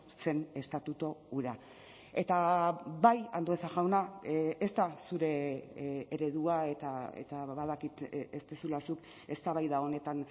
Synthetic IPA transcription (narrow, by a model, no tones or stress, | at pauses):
se̞ne̞st̪at̪ut̪o̞uɾea | e̞t̪aβajand̪oesaʝawnaest̪asuɾe̞ː | ɾe̞ð̞uae̞t̪aḛt̪aβaðakit̪est̪esulasuk | e̞st̪aβajðao̞ne̞t̪an